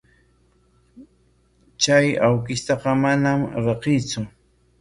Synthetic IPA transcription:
t͡ʃajawkɪst̪ɑqɑmanamɾɑqɪjt͡sʊ

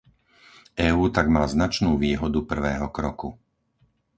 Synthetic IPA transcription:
ɛːuːt̪aɡmaːznat͡ʃnuːʋiːɦɔd̪upr̩ʋɛːɦɔkɾɔku

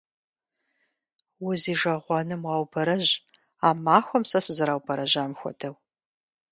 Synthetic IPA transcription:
wʊziːʒɐʁʷɑnɨmwɑːwbɐɾɐʑ | aːmaːxʷɔmsɐsɨzɐɾaːwbɐɾɐʑaːmxʷɔ̰dʰɐw

